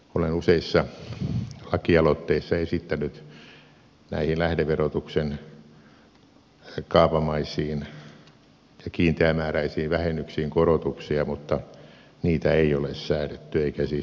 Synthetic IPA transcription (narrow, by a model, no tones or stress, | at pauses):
olenuseisːɑ | lɑkiɑlot̪ːeisːɑesit̪ːænyt̪ | næ̰ihinlæhdeʋerot̪uksen | kɑːpɑmɑisˑiːn | jɑkiːnt̪eæmæːræisiːʋʋæhenːyksiːŋkorot̪uksiɑmut̪ːɑ | niːt̪æeiolessæːlet̪ːyeikæsi